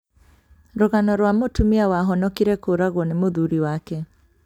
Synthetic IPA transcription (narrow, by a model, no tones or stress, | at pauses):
ɾoɣanɔɾwamotumiawaɦɔnɔkiɾɛkoɾaɣwɔnemoðuɾiwakɛ